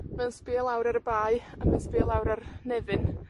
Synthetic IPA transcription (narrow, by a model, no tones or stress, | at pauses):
mɛnspiːlˠawɾaɾəbaːjamɛnspiːlˠawɾarnɛvɨn